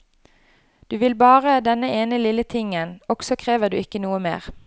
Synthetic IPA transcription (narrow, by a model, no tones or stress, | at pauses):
d̪̥ʉːʋɪlbɑːʁəd̪ɛnəeːnəlɪlət̪ʰɪŋənɔɡ̥sɔkʰʁeːʋəʁd̪ʉ̰ːɪkːənuːəmḛːʁ